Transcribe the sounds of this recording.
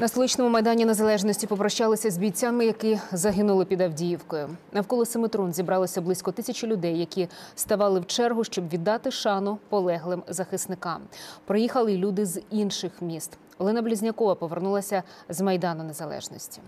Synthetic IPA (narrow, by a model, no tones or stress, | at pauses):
nɐst̪lˠit͡ʃnɔmʊmɐjd̪ɑnʲine̞zɐlˠɛʒnɔsʲtʲipɔpɾɐʃt͡ʃɑlˠɪsʲɐzʲbʲijt͡sʲamɪjɐkɪzɐɦɪnʊlˠɪpʲid̪ɐwdʲijiwkɔjʊnɐwkɔlˠɔsɪmɪt̪ɾɔnzʲibɾɑlˠɪsʲɐblˠɪsʲkɔt̪ɪsʲɐt͡ʃɪlʲʊd̪ɛjːɐkʲist̪ɐʋɑlˠɪwt͡ʃɛrɦʊʃt͡ʃɔbʋʲid̪ːɑt̪ɪʃɑnʊpɔlˠɛɦlˠɪmzɐxɪsnɪkɑmpɾɪjixɐlˠɪlʲud̪ɪzinʃɪxmʲist̪ | ɔlˠɪnɐblʲizʲnʲɐkɔʋɐpɔʋernulˠɐsʲɐzmɐjd̪ɑnʊnezɐlˠɛ̰ʒnɔsʲtʲi̥